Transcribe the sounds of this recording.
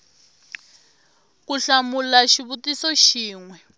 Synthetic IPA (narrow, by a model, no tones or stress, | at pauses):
kuɬamulaʃiβutisɔʃiːŋwɛ